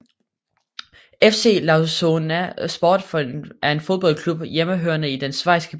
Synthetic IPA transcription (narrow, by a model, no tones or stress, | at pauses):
efse̝̰ːlɑ̈ʊsonæsb̥ɒ̰ːd̥fɒʔæɐe̝nfoðˠb̥ɒ̽l̰kʰlub̥jeməɦøɐnəid̥ensʋɑ̈ɪ̰sɡ̥ə